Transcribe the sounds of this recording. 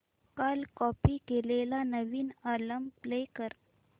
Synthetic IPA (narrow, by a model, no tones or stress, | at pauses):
kaːlkɔːpikeːlelanəʋiːnaːləmpleːkəɾ